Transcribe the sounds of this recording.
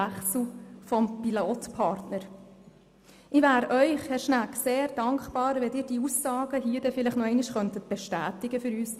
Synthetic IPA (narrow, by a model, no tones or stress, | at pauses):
æχsl̩fɔmpiloːtpʰɑɾtnəɾ | ʔɪvæːɾʔœʏχhɛɾʃnækseːɾd̥ɑŋkχb̥ɑːɾvɛdɪːd̥iːusːɑːɡəɦiədɛfɪləχnɔɛɪnɪʃχœntət̚b̥ɛʃtæːtɪɡəfʏɾyːs